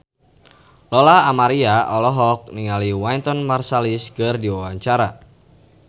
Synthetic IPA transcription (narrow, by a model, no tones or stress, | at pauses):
lɔlaamaɾiaʔɔlɔɦɔk̚niŋaliwajnt̪ɔnmarsaliskərdiwawaɲt͡ʃaɾa